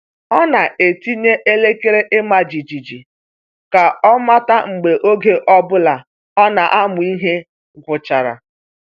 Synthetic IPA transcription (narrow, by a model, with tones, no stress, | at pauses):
ɔ˦na˨ʔe˨ti˦ɲe˦ʔe˦le˦ke˦ɾe˦ʔɪ˦ma˨d͡ʒi˨d͡ʒi˨d͡ʒi˨ | ka˨ɔ˦ma˦ta˦ŋ͡m̩˨ɡ͡be˨ʔo˦ɡe˨˦ʔɔ˦bʊ˦la˨ | ɔ˦na˨ʔa˦mʊ˨i˦ɦe˦ | ɡʷʊ˨t͡ʃa˨ɾa̰˨